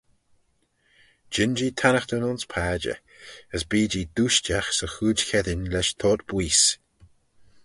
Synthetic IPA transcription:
d͡ʒɪnd͡ʒit̪ʰanəxt̪ənʊnspʰaːd͡ʒə̰ | əsbiːd͡ʒid̪uːʃt͡ʃaxsəxuːd͡ʒkʰɛdɪnlɛʃt̪ʰɔːt̪b̥wiːs

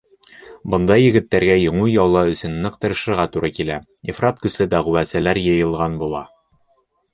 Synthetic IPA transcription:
bɤ̆nd̪ɑjɘ̆ɡɘ̆t̪ːæɾɡæjŏɴujɒlˠːɑɵ̆sɘnːɤqt̪ɤ̆ɾɤ̆ʃɤ̆ɾʁɑt̪uɾɑkilæ | ifrat̪kɵ̆slɘd̪æʁuwæsælæɾjɤ̆jɤ̆lˠʁɑnbulˠɑ

